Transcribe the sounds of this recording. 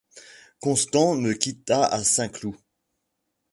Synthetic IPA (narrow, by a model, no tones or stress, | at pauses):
kɔ̃st̪ɑ̃məkʲit̪aasɛ̃klu